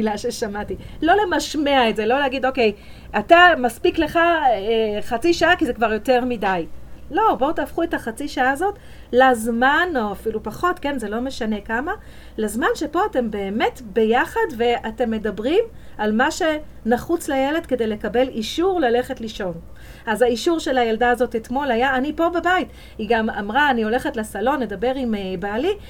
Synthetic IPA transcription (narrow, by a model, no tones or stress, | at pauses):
milaʃe̞ʃamati | lo̞le̞maʃmeaetze̞lo̞lehaɡidoke̞j | ʔatamaspikle̞χaeχat͡siʃaakizekvaʁjo̞te̞ʁmidajlo̞bo̞taːfχue̞taχat͡siʃaaːzot | lazmanoafilupaχo̞tke̞nze̞lo̞me̞ʃane̞kama | lazmanʃepo̞ate̞mbe̞ːme̞tbe̞jaχadve̞ate̞mːe̞dabʁim | almaʃe̞ | naχut͡slajele̞dke̞de̞jle̞kabe̞liʃuʁlale̞χe̞tliʃo̞n | azaiʃuʁʃe̞lajaldaːzo̞tetmo̞lajaːnipo̞bebait | hiɡama̰mʁaːnio̞le̞χetlesalo̞nːedabe̞ʁimebali